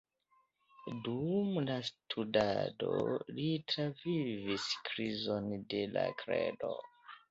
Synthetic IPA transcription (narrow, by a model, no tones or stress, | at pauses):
dumlastʰuda̰dolitɾaviviskɾizondela̰kʰɾedo